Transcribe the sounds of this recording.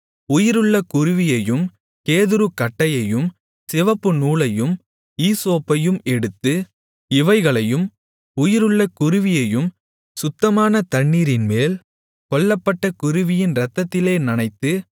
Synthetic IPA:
ʊjɪɾɯɭːɐkʊɾʊʋɪjɐjɯm | keːðɯɾɯkɐʈːɐjɐjɯm | sɪʋɐpːɯnuːɭɐjɯm | iːsoːpːɐjɯmɛɽɯt̪ːɯ | ɪʋɐɪɣɐɭɐjɯm | ʊjɪɾɯɭːɐkʊɾʊʋɪjɐjɯm | sʊt̪ːɐmaːnɐt̪ɐɳːiːɾɪnmeːl | kɔɭːɐpːɐʈːɐkʊɾʊʋɪjɪnɾɐt̪ːɐt̪ːɪleːnɐnɐɪt̪ːɯ

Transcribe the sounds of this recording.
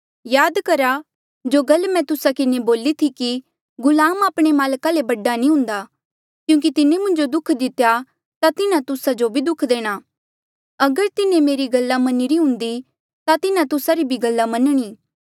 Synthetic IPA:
jaːd̪kɐɾa | d͡ʒoːɡɐlmɛ̃t̪ʊsakɪneboːlit̪ʰiki | ɡʊlaːmaːpɽ̃emaːlkalebɐɖːanĩɦʊ̃nd̪aː | kjũːk̬it̪ɪnemʊ̃ɲd͡ʒod̪ʊkʰd̪ɪt̪ja | t̪at̪ɪnat̪ʊsad͡ʒobʱid̪ʊkʰd̪eːɽ̃aː | ɐɡəɾt̪ɪnemeːɾiɡɐlːamɐniɾiɦʊ̃nd̪i | t̪at̪ɪnãt̪ʊsaɾibʱiɡɐlːamɐnɽ̃iː

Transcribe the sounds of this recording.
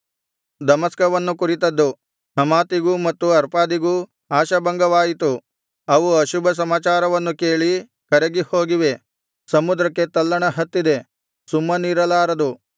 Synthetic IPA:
d̪ɐmɐskɐʋɐnːukuɾit̪ɐd̪ːu | hɐmaːt̪iɡumɐt̪ːuɐɾpaːd̪iɡu | aːʃɐbɐŋɡɐʋaːjit̪u | ɐʋuɐʃubʱɐs̬ɐmaːt͡ʃaːɾɐʋɐnːuke̞ːɭi | kɐɾeɡiho̞ːɡiʋe̞ | sɐmud̪ɾɐkːe̞t̪ɐlːɐɳɐɦɐt̪ːid̪e̞ | sumːɐniːɾɐlaːɾɐd̪u

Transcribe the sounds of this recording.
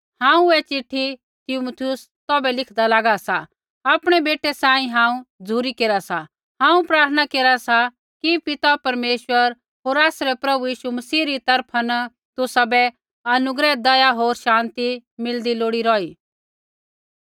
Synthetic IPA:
hãːũɛt͡ʃɪʈʰːi | t̪ɪmut̪ʰiʊs | t̪ɔːbɛlɪkʰd̪alaːɡasa | aːpɽ̃ɛbeːʈɛsãːĩɦãːũd͡zʱuːɾikeːɾasa | ɦãːũpɾaːɾt̪ʰənakeːɾasa | kipɪt̪apɐɾmeːʃwəɾ | ɦoːɾaːsɾɛpɾɐbujiːʃumɐsiːɾit̪ɐɾpʰanɐ | t̪ʊsabɛ | ɐnʊɡɾɛd̪ɐjaɦoːɾʃãːnt̪imɪld̪iloːɽiɾɔːiː

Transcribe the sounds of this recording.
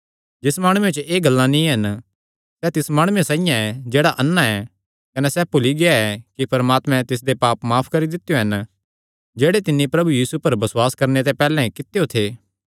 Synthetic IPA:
d͡ʒɪsmaːɽ̃ũːet͡ʃəʔeːɡɐlːãnĩɦɐn | sɛt̪ɪsmaːɽ̃uesãːɪjãɛd͡ʒeːɽaʔɐnːaɛ | kɐnɛsɛpʊliɡɪaɛkipɐɾmaːt̪mɛ̃t̪ɪs̬d̪epaːpmaːpʰkɐɾid̪ɪt̪ːjoɦɐn | d͡ʒeːɽet̪ɪnːipɾɐbujiːsupɐɾbɐswaːskɐɾnet̪̬epɛːlɛ̃kɪt̪ejot̪ʰeː

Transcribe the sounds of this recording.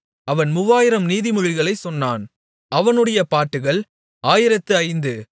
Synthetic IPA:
ɐʋɐnmʊʋaːjɪɾɐmniːðimʊɻɪɣɐɭɐɪsɔnːa̰ːn | ɐʋɐnɯɽɐjɐpaːʈːɯɣɐɭ | aːjɪɾɐt̪ːɯɐɪnd̪ɯ

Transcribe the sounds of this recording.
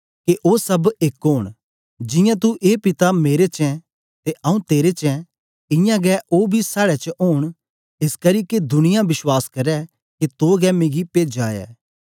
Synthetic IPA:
keʔoːsɐbekɦoːɽ̃ | d͡ʒɪ̃jãt̪̬uʔeːpɪt̪ameːɾet͡ʃɛ̃ | t̪eʔɐũt̪eːɾet͡ʃɛ̃ | ɪ̃jãɡɛːʔoːbʱisaːɽɛt͡ʃəʔoːɽ̃ | ɪskɐɾiːked̪ʊnɪjãʋɪswaːskɐɾɛ | ket̪oːɡɛːmẽːɡipeːd͡ʒaːɛ̰ː

